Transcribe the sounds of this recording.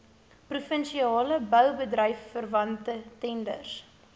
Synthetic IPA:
prufənʃiɑːləbœwbədrəjfːərvɐntətɛndə̰rs

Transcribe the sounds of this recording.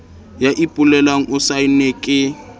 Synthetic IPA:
jaʔipʼʊlɛlaŋ̩ʔʊsainekʼɪ

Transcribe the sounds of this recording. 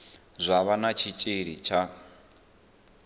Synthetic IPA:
zʷaβanat͡ʃʰit͡ʃʼiɺit͡ʃʰa

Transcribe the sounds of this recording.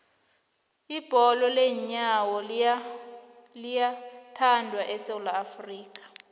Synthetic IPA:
ib̥ʱɔlɔleɲawɔ | lijatʰandʱwaʔɛsewulaːfriːk̬ʼḁ

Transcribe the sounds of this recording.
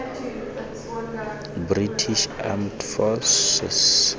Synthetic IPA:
britʰiʃa̰mtfɔsɛ̰s

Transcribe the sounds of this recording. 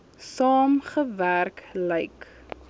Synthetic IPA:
sɑːmχəværkləjk

